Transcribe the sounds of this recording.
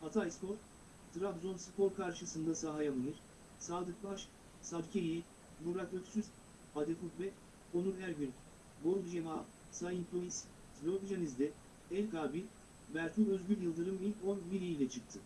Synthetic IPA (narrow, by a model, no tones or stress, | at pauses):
hat̪ʰajspo̞ɾt̪ | t̪ʰɾabzo̞nsɯpʰo̞ɾkʰaɾʃɯsɯnd̪asaɦajamɯnɯɾ̥ | saːd̪ɯk̚baʃ | sad̪cʲʰejej | muɾakøksyz | ad̪ekuk̪bɛ | o̞nuɾɦæɾɟyn | boɾd̪ud͡ʒema | sajinpʰo̞lʲis | slʲoɾd̪uʒanizd̪ɛ | ɛlʲkaːbi | væɾt̪ʰuø̞zɟyɾʲjɯlˠd̪ɯɾɯmilʲco̞nbiɾiilʲɛt͡ʃʰɯk̚t̪ʰɯ